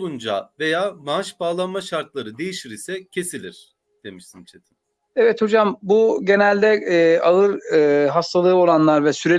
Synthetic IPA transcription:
und͡ʒa̰ve̞jaːmaʃbaːlˠanmaʃaɾt̪̚lˠaɾɯd̪e̞jiʃiɾisɛcʰe̞silʲiɾ̥ | d̪̥e̞miʃt̪int͡ʃʰet̪ʰi̥m | evɛt̪ho̞d͡ʒambuɟe̞nælʲd̪ɛʔaɯɾɯɦast̪ʰalˠɯːo̞lˠanlˠaɾvɛsyɾe

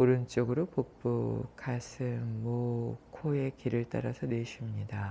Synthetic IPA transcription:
oɾɯnt͡ɕ͈oɡɯɾopok̚p͈ukʰasʰɯnmokʰoe̞kiɾɯɭt͈a̰ɾasʰʌneɕʰimɲida

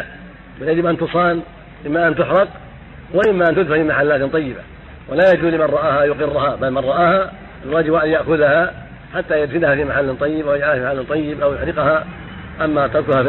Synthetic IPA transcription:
bɪljad͡ʒɪbʔant̪ʊsˤɑːn | ʔɪmːaʔant̪ʊħɾɑq | waʔɪmːaʔant̪ʊd̪fahfimaħalːaːt̪t̪ˤɑjːɪba̰ | wɪlajad͡ʒuːlɪmanɾˤɑʔaːhajʊqɪrːʊhabalmanɾˤɑʔaːha | ɪlwaːd͡ʒɪbwaʕd̪jaʔxʊðaha | ħat̪ːajad̪fɪlahafimaħalːɪt̪ˤɑjːɪbawjad͡ʒʕahaimaħalːɪt̪ˤɑjːɪbaʔawjʊħɾɪqha | ʔamːat̪aðkʊɾha

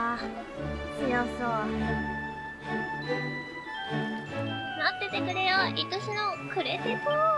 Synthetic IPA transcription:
a | ijaso | nat̪ːet̪ekɯ̟ɾejoʔit̪oɕinokɯ̟ɾet̪eso

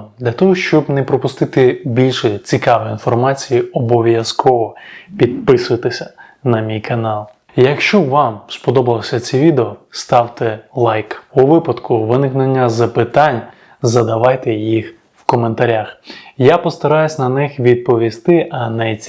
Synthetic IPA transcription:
d̪lʲɐt̪ɔɦɔʃt͡ʃɔbnɛpɾɔpʊst̪ɪt̪ɪbʲilʲʃɛt͡sʲikɑʋɪinfɔrmɑt͡sʲijiɔbɔʋʲjɐskʰɔʋɔpʲid̪̚pɪsʊjɐt̪ɪsʲɐ | nɐmʲijkɐnɑlˠ | jɐkʃt͡ʃɔʋɑmspɔd̪ɔbɐlˠɔsʲɐt͡sʲiʋʲid̪eɔst̪ɑwt̪elˠɑjkuʋɪpɐd̪kʊʋɪnɪknenʲːɐzɐpɪt̪ɑnʲ | zɐd̪ɐʋɑjt̪ejix | wkɔment̪ɐɾʲaxjapɔst̪ɐɾɑjʊsʲnɐnɪxʋʲid̪̚pɔʋʲist̪ɪʔɐnɐjʲ

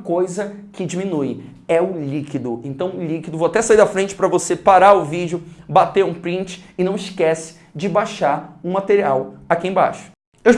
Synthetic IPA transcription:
kojzɐkɪd͡ʒimĩnuɪ | ɛʊlikid̪ʊẽnt̪ɐ̃w̃likid̪ʊvowat̪ɛsaid̪ɐfɾẽnt͡ʃɪ̥pɾɐvosepaɾaɾʊvid͡ʒʊbat̪eɾũpɾĩnt͡ʃɪ̥ːnɐ̃w̃ɪʃkɛsɪ̥ | d͡ʒɪbajʃaɾũmat̪eɾiawakiẽba̰ʃʊ̥ | ew

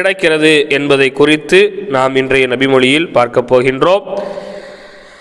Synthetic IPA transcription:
ɽɐkːɪrɐðɯʔɛnbɐðɐɪkːʊrɪt̪ːɯnaːmɪndrɐjɐnɐbɪmɔɭɪjɪlpaːɾkɐpːoːɣɪndroːm

